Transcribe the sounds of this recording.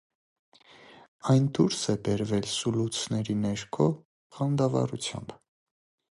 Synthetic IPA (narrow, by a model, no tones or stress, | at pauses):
ɑjnd̪uɾsɛbɛɾvɛlsulut͡sʰnɛɾinɛɾkʰɔ | χɑnd̪ɑvɑ̰ɾut͡sʰjɑ̰mb